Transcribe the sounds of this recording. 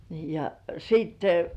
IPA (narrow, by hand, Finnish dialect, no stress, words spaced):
ni jɑ siːtːe